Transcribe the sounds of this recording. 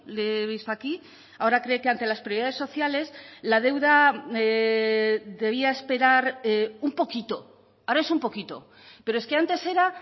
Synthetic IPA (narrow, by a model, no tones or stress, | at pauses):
leβist̪oaki | ao̞ɾakɾe̞ːke̞ant̪e̞laspɾjoiaðe̞so̞θjale̞slað̞e̞wða | ðe̞β̞iae̞spe̞ɾaɾumpo̞kit̪o̞ | aoɾae̞sumpo̞kit̪o̞̰ | peɾoeske̞ant̪e̞se̞ɾa